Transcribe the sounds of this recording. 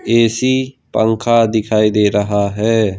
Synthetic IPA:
eːsiːpə̰̃ŋkʰad̪ɪkʰaːid̪eːɾɐɦaɦɛː

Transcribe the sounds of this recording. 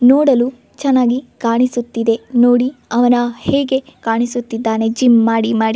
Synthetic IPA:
noːɽɐlu | t͡ʃɛnːaːɡikaːɳisut̪ːid̪e̞noːɽiɐʋɐnɐheːɡe̞kaːɳisut̪ːid̪ːaːne̞d͡ʒimːaːɽimaːɽi

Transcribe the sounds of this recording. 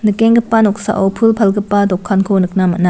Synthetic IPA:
nɯkeŋɡɯpːanɔk̚sa̰ʔowpʰulpʰɐlɡɯpːadɔkʰːankʰonɯk̚namana

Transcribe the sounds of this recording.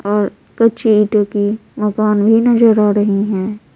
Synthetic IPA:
ɔːɾ | kɐtːʃʰeiːʈə̃kimɐkaːnbʱinɐzəɾaːɾɐɦiɦɛ̃ː

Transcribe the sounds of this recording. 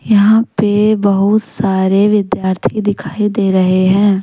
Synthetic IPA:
jɐɦãpebɐɦʊt̪saːɾeʋɪd̪jaːɾt̪ʰid̪ɪkʰaːid̪eːɾɐɦeɦɛ̃ː

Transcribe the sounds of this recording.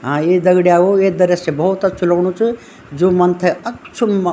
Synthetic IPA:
ɦãeːd̪ɐɡɽijaɡoed̪ɐɾjɐsebɐɦut̪ɐt͡ʃʰulɐɡɳ̃ũt͡ʃʰɨ | d͡ʒumɐnt̪ʰɐɐkt͡ʃʰumːɐ

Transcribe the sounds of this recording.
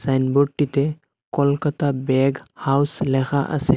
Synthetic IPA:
sajnboʈːit̪e | kɔlkət̪abɛɡhawslɛxaʔə̰se

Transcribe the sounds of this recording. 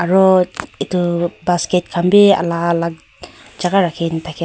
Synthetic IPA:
aɾɔit̪ubasket̚kʰambea̰lalak̚ | d͡ʒaɡaɾakʰint̪ʰakʰi

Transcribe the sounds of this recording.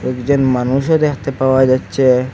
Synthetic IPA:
ekd͡ʑonmanuʃod̪ekʰt̪epawad͡ʑatːɕʰe

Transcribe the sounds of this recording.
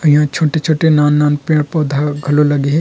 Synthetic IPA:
jɦãt͡ʃʰoːʈet͡ʃʰoːʈenaːnːaːnpeːɽ̃pɔːd̪ʱaɡʱɐlolɐɡeɦɛ

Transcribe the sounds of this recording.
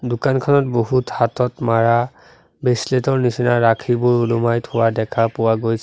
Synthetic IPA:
dʊkankʰɔnɔtboɦuthatɔtmaɹa | besletɔɹnisinaɹakʰibʊɹulumajtʰʊwadɛkʰapʊwaɡojs

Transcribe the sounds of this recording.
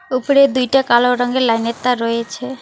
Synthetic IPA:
upoɾed̪ujʈakaloɾɔŋɡelajnet̪ːaɾɔjet͡ɕʰe

